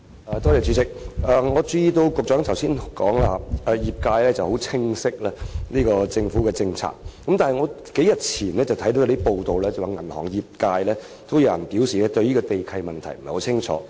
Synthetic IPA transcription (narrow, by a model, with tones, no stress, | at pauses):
ɛː˨˧t̪ɔː˥lɛː˨˩t͡ʃy˨˧˥t͡sɪ˨k̚ʔɛː˨˧ŋɔː˨˧t͡siː˧˨˧t̪o˧wkʊ˨k̚t͡ʃœː˨˥ŋt̪ʰɐ˨˩wsiː˥nkɔː˨˥ŋlaː˧ʔɛː˨jiː˨˩p̚kaː˧jlɛː˥t͡sɐ˨who˨˥wt͡sʰɪ˥ŋsɪ˥k̚laː˧nliː˥kɔː˧t͡sɪ˧ŋfu˨˥kɛː˧t͡sɪ˧ŋt͡sʰa̰ː˨˩k̚ːɐ˨˥mt̪aː˨nɦɐ˨jŋɔ˨˧ | ke˨˥jɐ˨t̚t͡sʰiː˨˩nlɛː˥t͡sɐ˨wt̪ʰɐ˨˥jt̪o˧˦wjt̪i˥po˨˧wt̪o˨wlɛː˥t͡sɐ˨waː˨˩ŋɐ˨˩nhɔ̰ː˨˩ŋjiː˨p̚kaː˧jlɛː˥ | t̪ʰo˥wja˧˨ɐ˨˩npiː˨˥wsiː˨lɛː˥t̪ɵ˧ɥjniː˥kɔ˧t̪e˨jkʰɐ˧jmɐ˨nt̪ʰɐ˨˩jm̩˨˩˨ho˨˧˥t͡sʰɪ˥ŋt͡ʃʰɔ̰ː˨˥